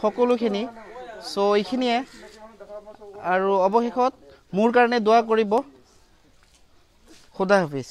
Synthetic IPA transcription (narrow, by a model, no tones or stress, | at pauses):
xɔkɔlʊkʰinisojkʰinijɛ | aɹuɔbɔxexɔt̚ | mʊɹkaɹɔnɛdowak̬oɹibɔ | xʊdʱaɦopʰis